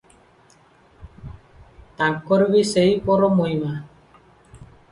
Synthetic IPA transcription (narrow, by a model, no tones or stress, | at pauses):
t̪aŋkːɔɾbisejpɔɾɔmojma